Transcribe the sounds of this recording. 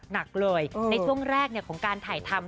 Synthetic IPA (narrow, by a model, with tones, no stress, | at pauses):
na˨˩k̚lɤː˧jna˧jt͡ɕʰu˥˩əŋɾɛː˥˩k̚ni˥˩əkʰɔː˩˦ŋkaː˧nt̪ʰaː˨˩jt̪ʰa˧m